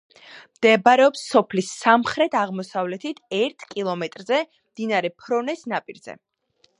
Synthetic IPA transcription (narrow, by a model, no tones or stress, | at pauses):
md̪̥ɛbɾɛɔpsːɔpʰlisamχɾɛt̪ʰaʁmɔsavlɛt̪ʰit̪ʰɛɾt̪ʰkʼilˠɔmɛt̪ʼɾzɛ | md̪̥inaɾɛpʰɾɔnɛsnapʼiɾzɛ̰